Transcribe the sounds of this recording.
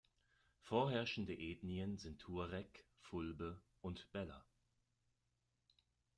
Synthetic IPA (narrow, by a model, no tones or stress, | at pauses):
foːɐɦɛɐʃn̩dəʔeːdniənzɪntʰːuːɐʁɛkfʊlbə | ʔʊntb̥ɛlɐ̰